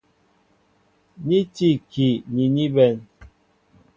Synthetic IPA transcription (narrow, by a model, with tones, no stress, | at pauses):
ɲi˦ti˦˨ki˨ni˨ɲi˦bɛ˨n